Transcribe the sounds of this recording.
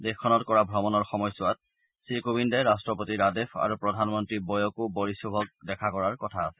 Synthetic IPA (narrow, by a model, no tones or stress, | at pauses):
dekʰːɔnɔtkɔɹabʱɹɔmɔnɔɹxɔmɔjsʊat̚ | sɹikubindɛɹastɹɔpotiɹadepʰa̰ɹupɹɔdʱanmɔntɹibɔjɔkubɔɹisubʱɔk̚dɛkʰakɔɹaɹkɔtʰaːsɛ̥